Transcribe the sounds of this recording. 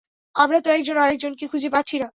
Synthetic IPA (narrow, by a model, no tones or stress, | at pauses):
amɾat̪oɛk̚d͡ʑonːoaɾek̚d͡ʑonkikʰud͡ʑʱepatːɕʰina